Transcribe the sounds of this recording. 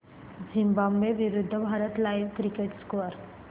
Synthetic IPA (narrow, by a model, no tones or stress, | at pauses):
d͡ʒĩmbambeʋɪɾʊd̪ʱːəbʱaːɾət̪laiʋkɾikeʈskəɾ